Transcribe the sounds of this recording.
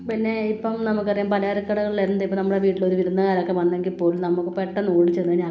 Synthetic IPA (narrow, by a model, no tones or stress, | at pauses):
pinːe̞ipːɐmnɐmukːɐrɐjuːmpɐlɐjaɾɐkːɐɽɐɣɐɭiliɾunːɐðipːɐnɐmːuɽeʋiːʈːilo̞ɾuʋiɾunːɐkaːɾokːeʋɐnːɐŋɡilpːo̞ːlumnɐmːukːɨpːeʈːɐnoːɽit͡ɕːenːɐɲaː